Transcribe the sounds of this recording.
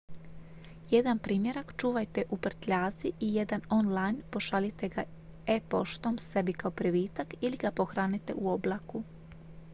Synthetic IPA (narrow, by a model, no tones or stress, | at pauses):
jed̪anpɾiːmje̞ɾakt͡ʃuːʋajt̪e̞ʔupr̩t̪ʎaːziʔije̞d̪ano̞nlajnpo̞ʃalit̪e̞ɡa | epoʃt̪o̞mse̞bikaopɾiʋiːt̪akiliɡapo̞xɾaːnit̪e̞̰ʔuo̞blˠaku